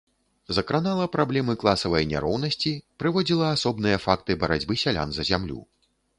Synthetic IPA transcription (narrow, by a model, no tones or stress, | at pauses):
zɐkɾanalˠɐpɾablʲɛmɨklˠasɐvɐjnʲa̰ɾɔwnɐsʲt͡sʲipɾɨvɔd͡zʲilˠɐasɔbnɨjɐfakt̪ɨbɐɾad͡zʲbɨsʲalʲa̰nzɐzʲamlʲṵ